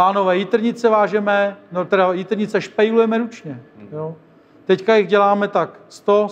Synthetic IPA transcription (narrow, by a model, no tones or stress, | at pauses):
aːnovɛːjit̪r̩ɲɪt͡sɛvaːʒɛmɛnot̪ɛdajit̪ɾɲɪt͡sɛʃpɛjlujɛmɛɾut͡ʃɲɛjo | t̪ɛckajɪɣɟɛlaːmɛt̪akst̪o